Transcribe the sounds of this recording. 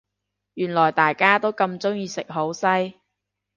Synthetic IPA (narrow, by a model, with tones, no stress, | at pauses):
jyː˨˩nlɔː˨˩jt̪aː˨jkaː˥t̪o˥wkɐ˧mt͡sʊ˥ŋjiː˧sɪ˨k̚ɦo˨˥wsɐ˥j